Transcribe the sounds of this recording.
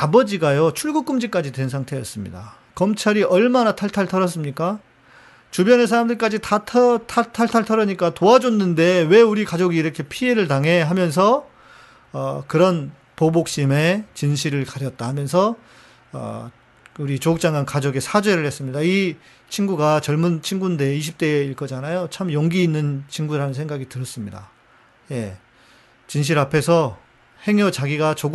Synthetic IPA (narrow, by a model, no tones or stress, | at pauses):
abʌd͡ʑiɡajot͡ɕʰuɭɡuk͈ɯmd͡ʑik͈ad͡ʑitwe̞nsʰaŋtʰe̞jʌs͈ɯmɲḭda̰ | kʌmt͡ɕʰaɾiʌɭmanatʰaɭtʰaɭtʰʌɾʌs̬͈ɯmɲik͈a | t͡ɕubjʌnesʰaɾamdɯɭk͈ad͡ʑitatʰʌtʰatʰaɭtʰaɭtʰʌɾʌɲik͈atoad͡ʑonːɯnde̞we̞uɾikad͡ʑoɡiːɾʌkʰe̞pʰie̞ɾɯɭtaŋɦe̞ɦamjʌns̬ʰʌ | ʌkɯɾʌn | pobok̚ɕ͈ime̞t͡ɕinɕʰiɾɯɭkaɾjʌt̚t͈ahamjʌns̬ʰʌ | ʌ̰ | uɾit͡ɕoɡuk̚t͡ɕ͈aŋɡwankad͡ʑoɡe̞sʰad͡ʑwe̞ɾɯɭhe̞s͈ɯmɲidai | t͡ɕʰinɡuɡat͡ɕʌɭmunt͡ɕʰinɡunde̞iɕʰip̚t͈e̞iɭkʌd͡ʑanajot͡ɕʰamjʌŋɡiːnːɯnt͡ɕʰinɡuɾanɯnsʰe̞ŋɡaɡitɯɾʌs͈ɯmɲida̰ | je̞ | t͡ɕinɕ̬ʰiɾapʰe̞sʰʌ | he̞ŋʌt͡ɕaɡiɡat͡ɕoɡ